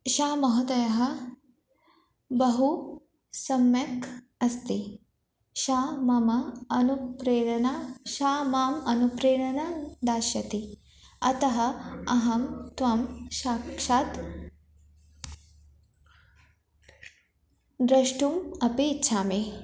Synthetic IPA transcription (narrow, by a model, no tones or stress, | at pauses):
ʃaːmɐɦud̪ɐjɐɦɐ̆ | bɐɦu | sɐmjɐk | ɐst̪i | ʃaːmɐmɐɐnupɾeːɽɐnaʃaːmaːmɐnupɾeːɽɐnɐd̪aːʃjɐt̪i | ɐt̪ɐɦɐ̆ɐɦɐmt̪ʋɐmʃaːkʂaːt̪ | d̪ɾɐʂʈumɐpeːtːʃʰaːmeː